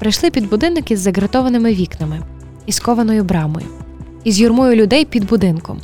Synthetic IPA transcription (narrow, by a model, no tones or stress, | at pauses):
pɾɐjʃlˠɪpʲid̪bʊd̪ɪnɪkɪzːɐɡɾɐt̪ɔʋɐnɪmɪʋʲiknɐmɪ | iskɔʋɐnɔjʊbɾɑmɔ̰jʊ̰ | izʲjurmʊjʊlʲʊd̪ɛjpʲid̪bʊd̪ɪnkɔ̰m